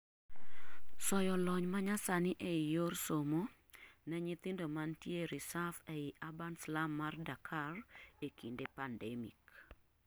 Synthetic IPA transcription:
sɔjɔlɔɲmaɲasanɪʔejorsomo | nɛɲɪt̪ɪndomantjeɾisafɛɪʔabanslamːardakʰarekindepandɛmḭk

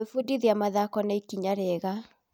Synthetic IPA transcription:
efudiðiamaðakɔnaikiɲaɾɛɣa

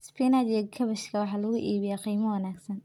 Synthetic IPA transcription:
spiːnadjɡʰɐβɐʃkʰɐwɑħɑːlɐɣʊʔiːβɪjaqiːmɐwɐnaːɡsɐn

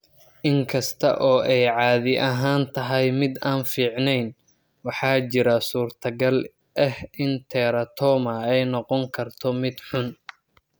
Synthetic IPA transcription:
ʔɪŋkʰɐst̪ʰɐ̰ʔɔːʔɛjʕɑːðɪʔɐɦaːnt̪ʰɐɦɛjmɪd̪aːnfiːʕnɛjn | wɑħɑːt͡ʃɪɾɐsuːrt̪ʰɐɡɐl | ʔɛhɪnt̪ʰɛːɾɐt̪ʰɔːmɐɛjnɔqɔŋkʰɐrt̪ʰɔmɪd̪ħʊn

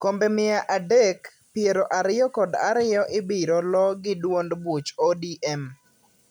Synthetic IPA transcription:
kombɛmɪaʔadek | pɪeɾoʔaɾɪjɔkɔda̰ɾɪjɔʔɪbiɾolɔɡɪdwondbut͡ʃodiʔɛm

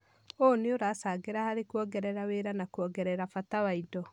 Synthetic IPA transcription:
oneoɾasaɡeɾahaɾekuɔɡɛɾɛɾaweɾanakwɔɡɛɾɛɾafatawaidɔ

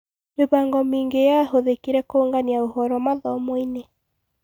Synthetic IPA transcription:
meβaːŋɡɔmiːŋɡejaɦoðekiɾɛkooŋɡaniaohɔɾɔmaðɔmwine

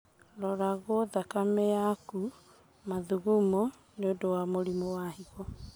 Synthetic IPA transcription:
lɔɾaɣoðakameaku | maðuɣumɔ | neodowamoɾimɔwahiɣɔ

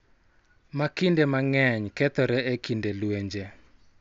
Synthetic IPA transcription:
makindemaŋɛɲkɛt̪ɔɾɛekindelweɲd͡ʒe

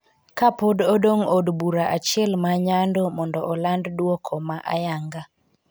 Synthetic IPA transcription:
kapododoŋodbuɾaʔat͡ʃɪɛlmaɲandomɔndɔʔɔlanddwɔkʰɔmaʔa̰jaŋɡa

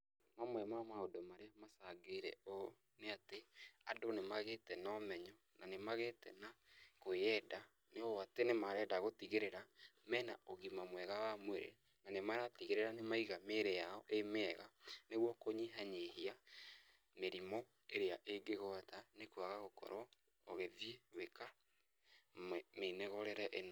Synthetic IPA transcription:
mamwɛmamaodomaɾeamasaɡeɾɛ̰o | neatea̰donemaɣetɛnɔmɛɲɔ | nanemaɣetɛ̰nakoɛda | neoatenemaɾɛːdaɣotiɣeɾeɾamɛna̰oɣimamwɛɣawamweɾḛ | nanemaɾatiɣeɾeɾanemaiɣameɾejaɔʔemɛːɣaneɣwɔkoɲiɦaɲeɦia | meɾimɔ | eɾeaʔeɡeɣɔtanekwaɣaɣokɔ̰ɾɔ | oɣeðjeweka | menɛɣɔɾɛɾɛʔeno

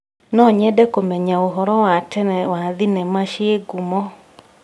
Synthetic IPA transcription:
nɔɲɛdɛkomɛɲaoɦɔɾɔwatɛnɛwaðinɛmaʃieɡumɔ

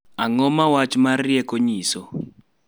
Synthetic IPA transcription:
aŋɔmawat͡ʃmarjɛkoɲiso

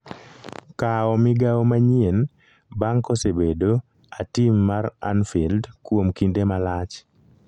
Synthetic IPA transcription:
kaɔmɪɡaɔmaɲien | baŋkosebedo | atimːaɾa̰nfildkwomkindemalat͡ʃ

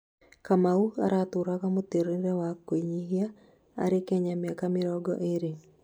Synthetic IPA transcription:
kamauka̰ɾat̪uɾakamot̪eɾɪɾɛwakːweɲiɦja | a̰ɾɪkɛɲamjakamɪɾɔɡɔ̰ʔeɾi

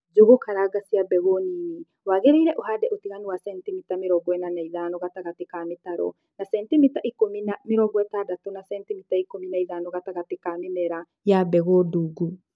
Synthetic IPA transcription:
d͡ʒoɣokaɾaɡasiabɛɣonini | waɣɛɾeiɾɛʔohaːdɛʔotiɣanuwasɛntimitameɾɔɡwɛnanaiðaːnɔɣataɣatekametaɾɔ̰ | nasɛntimitaʔikominameɾɔɡwɛtadatonasɛntimitaikominaiðaːnɔɣataɣatekamɪnɛɾa | jabɛɣɔduːɡu

